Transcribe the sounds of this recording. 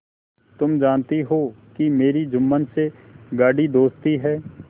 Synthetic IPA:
t̪ʊmd͡ʒaːnt̪eɦoː | kimeːɾid͡ʒʊmːənse | ɡaːɖid̪oːst̪iɦɛː

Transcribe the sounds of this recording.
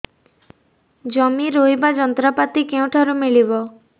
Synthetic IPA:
d͡ʒɔmiɾojbad͡ʒɔnt̪ɾɔpat̪ikeũʈʰaɾumiɭibɔ

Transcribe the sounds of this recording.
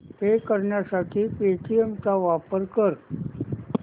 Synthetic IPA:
t̪ekəɾɳjasaʈʰiːpeʈʰiemt͡saʋapəɾkəɾ

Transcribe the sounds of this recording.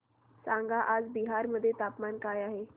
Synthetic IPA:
saŋɡʱaʔad͡zbiɦaɾməd̪ʱːjet̪apmankajaɦe

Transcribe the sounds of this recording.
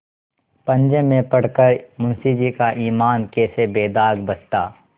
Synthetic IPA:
pɐ̃ɲd͡ʒẽmẽpɐɽ̤kəɾmʊnsid͡ʒiːkaʔiːmaːnkeːsebeːd̪aːɡbɐst̪aː

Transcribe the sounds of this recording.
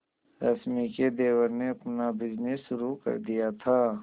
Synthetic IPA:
ɾɐ̰smiked̪eːwəɾneɐpnabɪd͡ʒnesʃʊɾukɐ̰ɾd̪ijat̪ʰaː

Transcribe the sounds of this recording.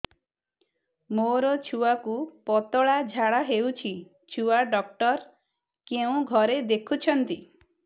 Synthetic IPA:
moɾɔt͡ʃʰuakupɔt̪ɔɭad͡ʒʱaɽaɦewt͡ʃʰi | t͡ʃʰuaɖɔk̚ʈɔɾ | keũɡʱɔɾed̪ekʰut͡ʃʰɔnt̪i

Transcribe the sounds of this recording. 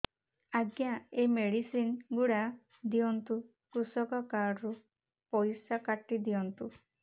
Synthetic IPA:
aɡjaemeɽisinɡuɽa | d̪iɔnt̪u | kɾusɔkɔkaɖɾu | pɔjsakaʈːid̪ijɔnt̪u

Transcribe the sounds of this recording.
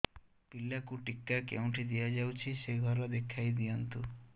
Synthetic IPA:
pilːakuʈikːakḛw̃ʈʰid̪ijad͡ʒawt͡ʃʰiseɡʱɔɾɔd̪ekʰajd̪iant̪u

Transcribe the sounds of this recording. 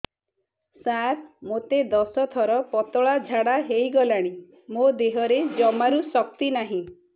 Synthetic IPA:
sat̪mot̪ed̪ɔsɔt̪ʰɔɾɔpɔt̪ɔɭad͡ʒʱaɽaɦejɡɔlaɽ̃i | mod̪eɦɔɾed͡ʒɔmaɾusɔk̚t̪inaɦĩ

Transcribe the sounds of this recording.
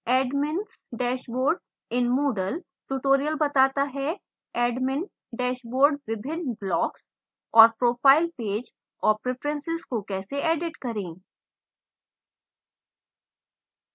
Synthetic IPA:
ɛːɖmɪns | ɖɛːʃboːɾɖ | ɪnmoːɖəl | ʈuʈoːɾijəlbɐt̪aːt̪aɦɛ | ɛːɖmɪn | ɖɛːʃboːɾɖʋɪbʱɪnblɔːks | ɔːɾpɾoːpʰaːɪlpeːd͡ʒ | ɔːɾpɾefɾə̃nsɪzkokɛːseʔeːɖɪʈkɐɾẽː

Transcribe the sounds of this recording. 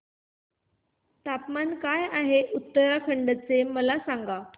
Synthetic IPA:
t̪apmankajaɦeʔut̪ːəɾakʰəɳɖət͡seməlasaŋɡa

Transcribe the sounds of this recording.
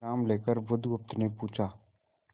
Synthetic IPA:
aːmleːkəɾʋʊd̪ʱɡʊp̚t̪nepuːt͡ʃʰaː

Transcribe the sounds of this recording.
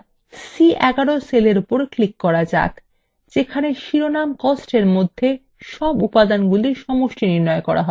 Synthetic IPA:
siʔɛɡaɾoseleɾupoɾklikːɔɾad͡ʑa̰k̪ | d͡ʑekʰaneʃiɾonamkosʈeɾmod̪ʱːe | ʃɔbupad̪anɡuliɾʃɔmoʃʈiniɾnɔekɔɾa̰ɦɔe

